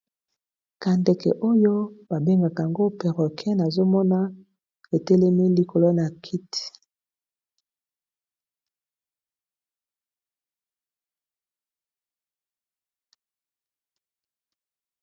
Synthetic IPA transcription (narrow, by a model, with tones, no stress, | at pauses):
ka˨ndɛ˨kɛ̰˨ʔo˦jo˦ba˨be˦ŋɡa˨ka˨ŋɡo˦pɛ˨ʁɔ˨kʰɛ˦na˨zo˦mɔ˦na˦ | e˨tɛ˦lɛ˦mi˦li˨ko˨lo˦na˨kʰi˦ti̥˨